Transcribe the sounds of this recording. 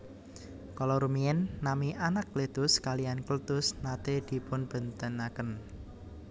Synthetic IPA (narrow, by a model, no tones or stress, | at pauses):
kɔlɔɾumiɛnːamiʔanaklet̪ʊskalijanklut̪ʊsnat̪ed̪̥i̤pʊnb̥ə̤nt̪ənakən